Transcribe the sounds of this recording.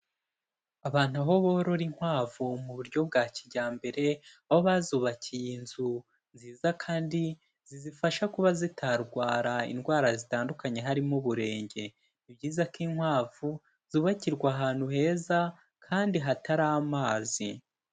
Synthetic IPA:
aβaːn̥uaɦo̞βoɾo̞ɾiŋhwaːvumuβuɾɟo̞b̚ɡaːciɟaːmbe̞ɾe̞aho̞βazuːβaciijinzu | nziːzakʰaːndi | zizifaʃakuβazitʰaɾɡwaːɾaḭnɡwaːɾazitaːndukaɲe̞ɦaɾimuβuɾe̞ːɲɟe̞ | ibɟiːzakiŋhwaːvu | z̥uːβaciɾɡwaɦaːn̥huhe̞ːza | kʰaːndiɦataɾaːmaːzi

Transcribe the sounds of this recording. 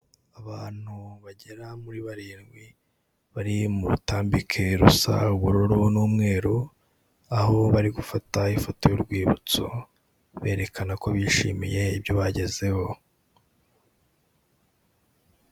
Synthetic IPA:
aβaːn̥huβaɟe̞ɾamuɾiβaɾiːnɡwi | βaɾimuɾutaːmbikʰe̞ɾusa̰uβuɾoɾonuːmŋe̞ːɾo | aho̞βaɾiɡufataifotojoɾɡwiːβṵt͡so̰ | βe̞ːɾe̞kanako̞βiːʃḭːmije̞ibjo̞βaɟe̞ze̞ho̞

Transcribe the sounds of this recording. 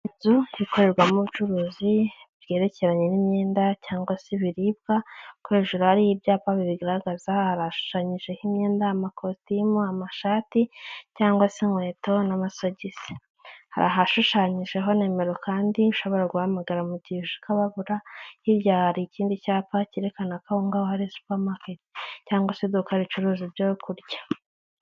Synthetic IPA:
zuiko̞ɾe̞ɾɡwamuβut͡ʃuɾuːzibɟe̞ːɾe̞ce̞ɾaɲe̞nimɲe̞ːndacaːŋɡwasiβiɾib̚ɡakwe̞ːʒuɾuhaɾijibjaːpaβiβiɡaɾaaɡazahaɾaʃu̥ʃaːɲiʒe̞himɲe̞ːndaːmakʰostimuamaʃaːticaːŋɡwasiŋwe̞ːto̞namasoɟizi̥ | ha̰ɾa̰ɦaʃuʃaːɲiʒe̞ɦo̞ne̞ːme̞ɾo̞kaːndiiʃo̞βo̞ɾaɡuhamaɡaɾamuɟiʒukaβaβuɾahiɾjahaɾiciːndicaːpaciɾekanakaoŋɡawohaɾisu̥pamaketi̥caːŋɡwased̪ukaɾit͡ʃuɾuːzibjokʰuɾɟḁ

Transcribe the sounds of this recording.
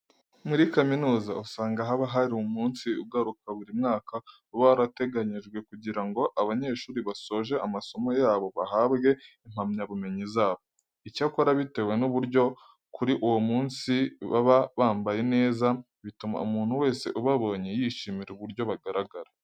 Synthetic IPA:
muɾikaminuːzausaːŋɡaɦaβaɦaɾiomuːnsiṵɡaɾukaβuɾimŋaːka | uβaɾate̞ɡaɲiʒɡwe̞kuɟiɾaŋɡo̞ʔaβaɲe̞ʃuːɾiβaso̞ːʒe̞amaso̞mo̞jaːβo̞βaɦaːbɡe̞im̥amɲaβume̞ɲizaːβo̞ | icakoɾaβite̞we̞nuβuɾjo̞ | kʰuɾiʔuwomuːnsiβa̰βaβaːmbaje̞ne̞ːza | βituma̰umuːn̥huwe̞ːse̞̰ʔuβaβo̞ɲe̞jiʃimiɾeuβuɾjo̞βaɡaɾaɡaɾa

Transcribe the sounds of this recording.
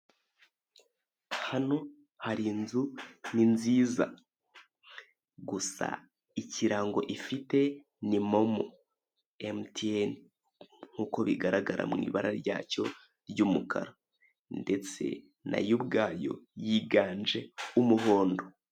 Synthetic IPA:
hano̞ | haɾinzuninziːza̰ | ɡusa̰ | iciɾaːŋɡo̞ʔifite̞ | nimo̞mo̰ | emtien | ŋ̥uːko̞βiɡaɾaɡaɾʔa̰mŋḭːβaɾaɾɟa̰ːco̞ | ɾɟumukʰa̰ɾo | nde̞t͡se̞̰ | na̰jubɡaːjo̞̰jiɡaːnd͡ʒe̞umuɦo̞ːndo̞

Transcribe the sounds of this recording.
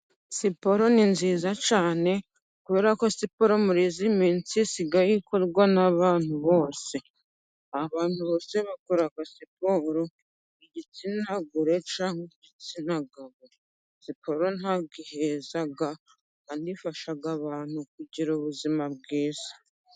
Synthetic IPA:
sipo̞ɾo̞ninziːzat͡ʃaːne̞ | kuβe̞ːɾako̞sipo̞ɾo̞muɾizimiːnt͡sisiɡajikʰo̞ɾɡwanaβaːn̥huβo̞ːse̞ | aβaːn̥huβo̞ːse̞βakoɾakasipoːɾo̞ | iɟit͡sinaɡuɾe̞t͡ʃaːŋɡeɟit͡sinaɡaβo | sipʰo̞ɾo̞naɡihezaɡa | andifaʃaɡaβaːn̥uk̚uɟiɾuβuzimabɡiːzḁ

